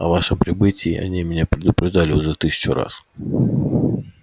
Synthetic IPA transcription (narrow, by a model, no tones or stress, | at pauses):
ɐ̰vaʂɨmpɾʲɪbɨtʲɪ̰ːʔɐ̰nʲimʲɪnʲapɾʲɪd̪ʊpɾʲɪʐd̪alʲɪʊʐɛt̪ɨsʲɪ̥t͡ɕʊɾa̰s